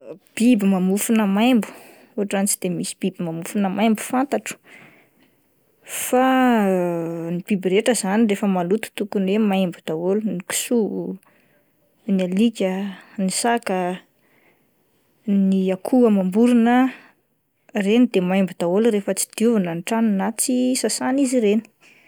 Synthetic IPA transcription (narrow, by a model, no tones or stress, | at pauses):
b̥ibimamufunəmajmbu̥ | uɦaʈ͡ʂant͡sid̪emisi̥b̥ibimamufunəmajmbu̥fant̪aʈ͡ʂu̥ | fa | nib̥ibiɾeʈ͡ʂəzanirefəmalut̪u̥t̪ukunwemajmbud̪̥awoluniki̥su | nialikʲənisakə | niakʰuamambuɾunə | renid̪emajmbud̪̥aoluɾefət͡si̥d̪̥uvanənʈ͡ʂaninat͡sisasaniziɾeni̥